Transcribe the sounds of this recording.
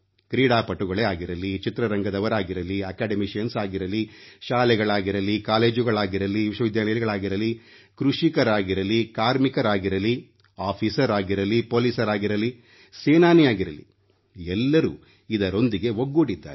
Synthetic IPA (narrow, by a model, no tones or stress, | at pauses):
kɾiːɽaːpɐʈːuɡɐɭɛaːɡiɾɐlit͡ʃit̪ɾɐɾɐŋɡɐd̪ɐʋɐɾaːɡiɾɐliɐkaːɖɐmiʃensaːɡiɾɐliʃaːlɛɡɐɭaːɡiɾɐlikaːle̞ːd͡ʒuɡɐɭaːɡiɾɐliʋiʃwɐʋid̪jaːlɐjɐliɡɐɭaːɡiɾɐli | kɾuʂikɐɾaːɡiɾɐlikaːɾmikɐɾaːɡiɾɐli | aːpʰiːsɐɾaːɡiɾɐlipo̞ːliːsɐɾaːɡiɾɐli | seːnaːnijaːɡiɾɐlḭ | ɛlːɐɾṵː | id̪ɐɾo̞nd̪iɡe̞ɦoɡːuːɽid̪ːa̰ːɾ